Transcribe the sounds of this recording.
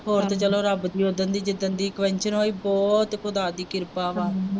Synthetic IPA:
ɦoːɾt̪et͡ʃəloːɾəbd̪iːoːd̪ənd̪iːd͡ʒɪd̪ənd̪iːkʋɛ̃ɲt͡ʃənɦoːiːbɔːt̪kʊd̪aːd̪iːkɪɾpaːʋaːɾ

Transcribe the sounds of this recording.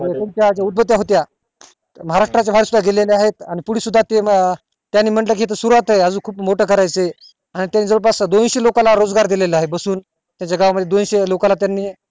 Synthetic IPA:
əjet̪emt͡ɕjad͡ʑaud̪̚bət̪jaɦot̪ja | məɦaɾaʂʈɾat͡ɕjabʱaɾisud̪ʱaɡeleleaɦet̪aɽ̃ipuɽisud̪ʱːat̪e | t̪janːiːm̤əɳʈlək̬iet̪əsuɾuʋat̪aɦeəd͡zuːkʰuːpmoʈəkʰəɾajt͡se | aɽ̃it̪janːid͡zəʋəɭp̬asad̪onɕelokãlaɾod͡zɡaɾd̪ileləaɦebəsuːn | t̪jat͡ɕjaɡaʋaməd̪ʱjed̪onɕelokãlat̪janːiːe

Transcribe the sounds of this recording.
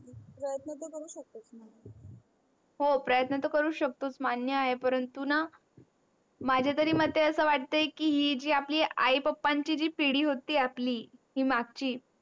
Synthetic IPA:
pɾəjət̪nət̪əkəɾuːɕək̚t̪ot͡smanjə | ɦopɾəjət̪nət̪əkəɾuːɕək̚t̪ot͡smanjəaɦepəɾənt̪una | mad͡ʑʱjat̪əɾiːmət̪ːeəsəːʋaʈ̚t̪əjkiːɦiːd͡ʑiːapliːa̰jpəpːaɲt͡ɕiːd͡ʑiːpiɽiːɦot̪iːapliːɦiːmaɡ̚t͡ɕiː

